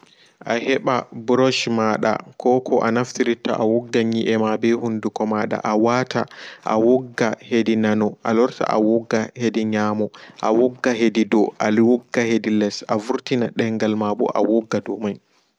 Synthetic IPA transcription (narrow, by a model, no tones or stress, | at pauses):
ʔahɛɓabɾɔʃmaɗa̰kʰɔkʰɔʔanaftiɾita̰ʔawɔɡːaɲiʔɛmabɛhundukɔmaɗa̰ʔawaːtʰaʔa̰wɔɡːahedinanɔʔa̰lɔɾta̰ʔa̰wɔɡːahediɲaːmɔʔa̰wɔɡːaɦedidɔʔalwɔɡːahedilɛsʔavuɾtinaɗɛŋɡalmabɔ̰ʔa̰wɔɡːadɔmaj